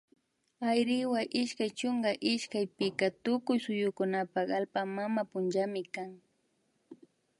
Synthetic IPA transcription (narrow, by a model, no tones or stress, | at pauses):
ajɾɪwaʔɪʃkajt͡ʃʊŋɡaʔɪʃkajpɪkat̪ʊkʊjsʊjʊkʊnapakalpamamapʊnʒamɪkaŋ